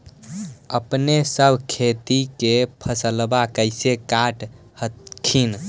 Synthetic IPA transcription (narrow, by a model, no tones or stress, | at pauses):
əpnesəbʱkʰet̪ikepʰəsəlbakəɪsekaʈ | hət̪kʰin